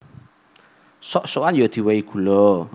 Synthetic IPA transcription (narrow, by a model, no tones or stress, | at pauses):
sɔʔsoanjod̪̥i̤weiɡ̥ulɔ